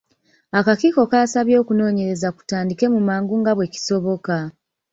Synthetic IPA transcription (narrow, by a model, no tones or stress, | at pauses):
akakiːko̞kaːsaβjo̞ːkuno̞ːɲe̞ɾe̞zaku̥taːndike̞mumaːŋɡuŋɡaβwe̞ci̥so̞βo̞ka